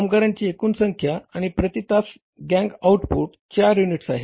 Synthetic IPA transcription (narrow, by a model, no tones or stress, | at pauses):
amɡaɾaɲt͡ɕiːekuːnsəŋkʰjaaɽ̃ipɾət̪it̪as | ɡɛ̃ŋɡawʈpuʈ̚ | t͡ɕaɾjuniʈsaɦe